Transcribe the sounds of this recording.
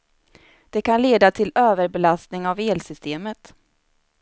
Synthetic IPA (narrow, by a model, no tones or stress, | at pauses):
d̪̥ɛkʰanleːd̪at̪ʰɪløːvəɾbɛlast̪nɪŋaveːlsʏst̪eːmət̪